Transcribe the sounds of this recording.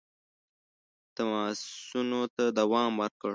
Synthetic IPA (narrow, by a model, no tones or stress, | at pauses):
t̪amɑːunot̪ad̪awɑːmwəɾkəɽ